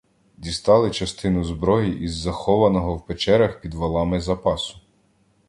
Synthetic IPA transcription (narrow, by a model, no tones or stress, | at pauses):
d̪ʲist̪ɑlˠɪt͡ʃɐst̪ɪnʊzbɾɔɦiʔizːɐxɔʋɐnɔɦɔwpet͡ʃɛɾʲɐxpʲid̪ʋɐlˠɑmɪzɐpɑsʊ̥